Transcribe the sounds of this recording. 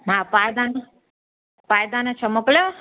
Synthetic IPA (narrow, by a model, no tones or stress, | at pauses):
mapaːjd̪aːnɐ | paːjd̪aːnɐt͡ʃʰɐmːɐkle